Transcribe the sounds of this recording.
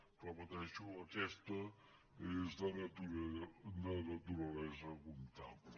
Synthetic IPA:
pɾɔpət̪ɛʃuəkɛst̪ə | ezðənət̪unənət̪uɾəlɛzəkunt̪a̰p

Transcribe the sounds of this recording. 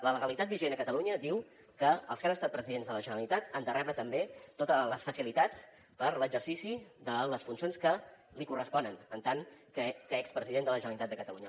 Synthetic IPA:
lələɣəlit̪at̪̚biʒenəkət̪əluɲəd̪iw | kəə̰lˠskanəst̪at̪̚pɾəziðenzðələʒənəlit̪at̪ənd̪ərʔɛβət̪əmbet̪ot̪ələsfəsilit̪at͡s | pəɾləɡzəɾsisiðələsfunsionskəlikurəspɔnənənt̪aŋkəkəɛkspɾəziðend̪ələʒənəlit̪at̪d̪əkət̪əluɲə

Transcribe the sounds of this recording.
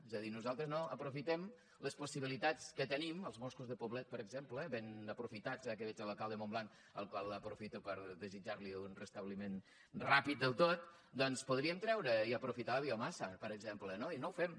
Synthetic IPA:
ezəðinuzalˠt̪ɾəznoəpɾufit̪ɛm | ləspusiβ̞ilit̪at͡skət̪əniməlˠzmoskuzðəpuβlɛt̪̚pəɾəɡzempləβenəpɾufit̪ad͡zakəβɛt͡ʃələlˠkalˠd̪əmomblaŋk | əlˠkwalˠəpɾufit̪upəɾðəzid͡ʒaɾliunrəst̪əβlimen | rapit̪̚d̪əlˠt̪ot̪̚ | d̪ɔnspuðɾiəmt̪ɾɛwɾəiəpɾufit̪aləβiomasəpəɾəɡzemplənoinowfɛm

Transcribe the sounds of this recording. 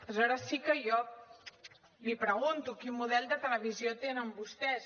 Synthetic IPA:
zɔɾəsikəjɔ | lipɾəɣ̞unt̪ukimːuðɛlˠd̪ət̪ələβ̞iziot̪enəmbust̪ɛs

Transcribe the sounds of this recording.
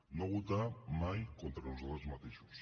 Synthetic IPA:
noɣut̪amajkont̪ɾanuzoðezmat̪eʃu̥s

